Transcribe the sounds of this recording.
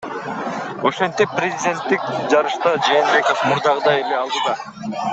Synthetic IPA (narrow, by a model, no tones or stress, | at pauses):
o̞ʃe̞nt̪ipːrʲɪzʲɪdʲe̞nt̪ːik̚d͡ʒɑɾɯʃt̪ɑd͡ʒe̞ːnbe̞ko̞fmuɾd̪ɑʁɯd̪ɑjeleɑlˠd̪ɯd̪ɑ